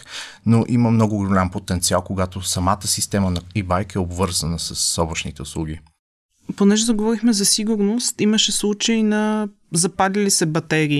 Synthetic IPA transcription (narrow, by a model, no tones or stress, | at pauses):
noʔiməmnɔɡʊɡolʲampot̪ɛnt̪sialˠkoɡat̪osɐmat̪əsist̪ɛmənɐibajkɛobvɤɾzənəsɐsːɔbəʃnit̪ɛʊslˠuɡ̟i | ponɛʒɛd̪ɐɡovɔɾixmɛzɐsiɡʊɾnost̪iməʃɛslˠut͡ʃəjnɐ | zɐpadlilisɛbɐt̪ɛɾiː